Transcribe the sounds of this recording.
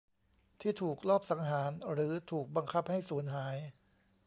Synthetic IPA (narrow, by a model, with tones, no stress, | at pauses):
t̪ʰiː˥˩t̪ʰuː˨˩k̚lɔː˥˩p̚sa˩˦ŋɦaː˩˦nɾɯː˩˦t̪ʰuː˨˩k̚ba˧ŋkʰa˦˥p̚ha˥˩jsuː˩˦nɦaː˩˦j